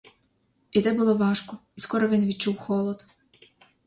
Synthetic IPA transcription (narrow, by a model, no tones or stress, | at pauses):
id̪ɛbʊlˠɔʋɑʃkɔiskɔɾɔʋʲinʋʲid̪̚t͡ʃuwxɔlˠɔd̪